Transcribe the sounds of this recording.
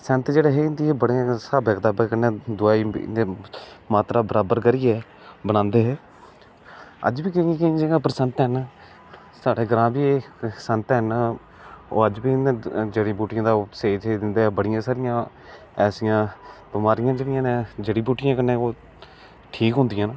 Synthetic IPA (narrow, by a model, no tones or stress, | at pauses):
sənt̪d͡ʒeːɽeːɦeːɪnd̪iːeːbəɽeãsaːbɛːkd̪aːbəkəneːd̪ʊaːḭːeːmaːt̪ɾaːbəɾaːbəɾkəɾiːɛː | bəɽãːnd̪eːɦɛː | ə̰d͡ʒbiːkɪ̃kɪ̃d͡ʒãːpɾəsənt̪ɦən | saːɽeːɡəɾãːbiːeːsənt̪ɦən | o̰ːəd͡ʒbiːd͡ʒeɽiːbuːʈʰɪjãːd̪aːseːd͡ʒed̪ɪnd̪eːɛːbəɽɪjãːsaːɾɪjãː | ɛːsɪjãːbɪmaːɾɪjãːd͡ʒeːɽɪjãːneːd͡ʒəɽiːbuːʈʰɪjãːkənẽːoː | ʈʰiːkɦʊnd̪ɪjãːnː